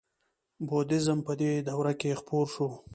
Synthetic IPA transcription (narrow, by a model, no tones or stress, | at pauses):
bod̪ɪzəmpəd̪ed̪awɾakexpoɾʃu